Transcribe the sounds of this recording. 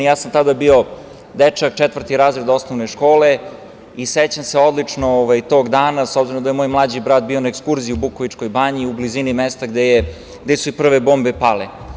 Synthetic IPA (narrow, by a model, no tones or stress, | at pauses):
jaːsamt̪ad̪abio̞ | d̪ɛt͡ʂak̚t͡ʃɛt̪ʋr̩t̪iɾaːzɾed̪osnoʋneʃko̞ːle | iset͡ɕamseo̞d̪lit͡ʂnooʋajt̪o̞ːɡd̪aːnasobziɾomd̪ajemojmlˠad͡ʑibɾaːd̪bio̞naekskuɾziiubukoʋit͡ʂko̞jbaɲiublizinimɛst̪aɡd̪eje | ɡd̪esuipr̩ʋeboːmbepale